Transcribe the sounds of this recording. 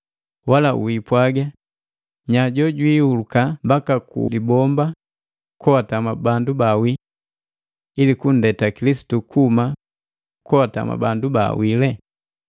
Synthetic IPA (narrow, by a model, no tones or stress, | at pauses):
walaṵipwaɡa | ɲaɟɔɟwiːhulukambakakṵlibɔmba | kɔwatamabandubawi | ilikun̩dɛtakilisi̥tukuma | kɔwata̰ma̰banduba̰wilɛ